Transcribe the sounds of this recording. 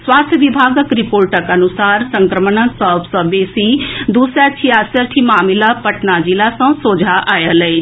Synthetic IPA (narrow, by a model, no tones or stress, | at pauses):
swaːst̪ʰjəʋibʱaːɡəkɾipoːɾʈəkɐnʊsaːɾsə̃ŋkɾəmənə̃sɔːbsɔbeːsid̪uːsɾat͡ʃʰiaːsəɾʈ̪ʰimaːmɪlapɐʈnad͡ʒilasãsoːd͡ʒʱaʔaːjalɐe